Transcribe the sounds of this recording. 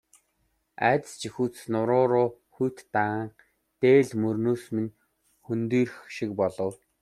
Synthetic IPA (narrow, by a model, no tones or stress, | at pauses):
æ̰ːt̪̆st͡ɕixuːt͡s̆snʊɾʊːɾʊːxujʰt̪ːaɴ | t̪eːɮmɵrnoːsmĭn | xɵnt̪iːrxʃik̚pɔɮɞ̆w